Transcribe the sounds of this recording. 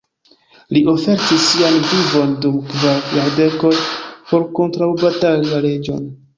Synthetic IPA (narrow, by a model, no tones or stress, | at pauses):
liʔo̞fe̞ɾtisːianvivo̞ndumkvajaɾde̞ko̞npo̞ɾko̞ntɾawbataliaɾe̞d͡ʒo̞̰n